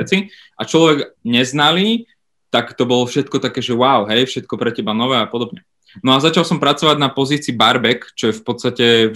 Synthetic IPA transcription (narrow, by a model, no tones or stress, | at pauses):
t͡si | ʔat͡ʃlɔʋɛɡɲɛznaliː | t̪akt̪ɔbɔlɔfʃɛt̪̚kɔt̪akɛːʒɛwaʊɦɛjfʃɛt̪̚kɔpɾɛcɛbanɔʋɛːapɔd̪ɔbɲɛ | nɔazat͡ʃalˠsɔmpɾat͡sɔʋaɟnapɔziːt͡siːbaɾbɛkt͡ʃɔjɛfpɔt̪st̪acɛ